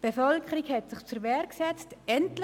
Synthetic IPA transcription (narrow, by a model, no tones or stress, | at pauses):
b̥efœlkʰəɾikhɛtsɪχt͡səɾʋɛɾksɛt͡stɛntl